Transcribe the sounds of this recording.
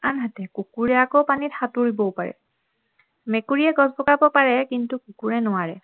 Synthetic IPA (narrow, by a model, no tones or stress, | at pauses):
anɦatɛkukuɹɛakowpanithatuɹibɔʊpaɹɛ̰ | mekuɹiɛɡɔzbɔkabɔpaɹɛkintukukuɹɛnʊwaɹɛ